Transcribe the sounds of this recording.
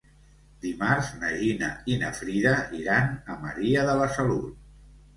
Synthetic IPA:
d̪imaɾznəʒinə̰inə̰fɾiðəiɾanəməɾiəðəβəsəlul

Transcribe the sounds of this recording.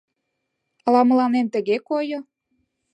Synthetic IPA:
ɑlɑmə̆lɑnemt̪ə̆ɣekojo

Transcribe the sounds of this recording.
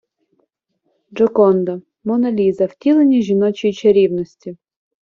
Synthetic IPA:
d͡ʒɔkɔnd̪ɔ | mɔnɐlʲizɐwtʲilˠenʲiʒinɔt͡ʃijt͡ʃɛɾʲiwnɔsʲtʲi

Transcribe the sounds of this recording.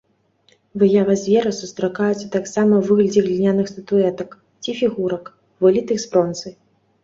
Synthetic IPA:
vɨjavɐzʲvʲɛɾɐsust̪ɾakajut̪sɐt̪aksamɐvɨɣlʲɐd͡zʲiɣlʲinʲanɨxst̪ɐt̪uɛt̪ɐk | t͡sʲifʲiɣuɾɐk | vɨlʲit̪ɨxspɾɔnt̪sɨ

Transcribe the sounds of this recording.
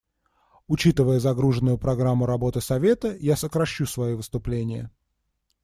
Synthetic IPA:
ʊt͡ɕit̪ɨvəjəzɐɡɾuʐɨnːʊjʊpɾɐɡɾamːʊɾɐbo̞t̪ɨsɐvʲe̞t̪əjasəkɾɐɕːusvɐjovɨst̪ʊplʲenʲɪjə̰

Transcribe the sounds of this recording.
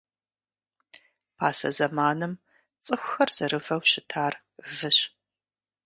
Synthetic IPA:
pʰaːsɐ̰zɐmaːnɨm | t͡sʼɨxʷxɐrz̥ɐɾɨvɐwɕɪtʰaːr | vɨɕ

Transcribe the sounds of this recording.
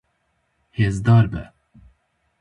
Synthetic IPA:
heːzd̪ɑːɾbɛ̰

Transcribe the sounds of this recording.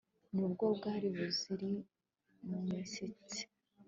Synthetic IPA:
nubɡobɡaːɾiβuziɾi | mumisit͡si̥

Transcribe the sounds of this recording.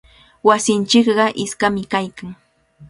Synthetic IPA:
wasɪnt͡ʃɪkɢɑʔɪskamɪkajkaŋ

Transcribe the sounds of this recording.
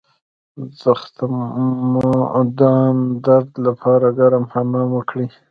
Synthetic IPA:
zaxt̪md̪ɑnd̪aɾd̪lapʰɑɾaɡaɾamhanɑmwəkɽi

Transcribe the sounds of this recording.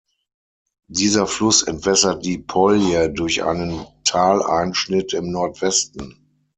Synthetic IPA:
diːzɐflʊsɛ̰ntv̥ɛsɐt̚d̥iːpʰɔljədʊɐçʔa̰ɪnəntʰaːlʔa̰ɪnʃnɪtɪmnɔɐtv̥ɛstn̩

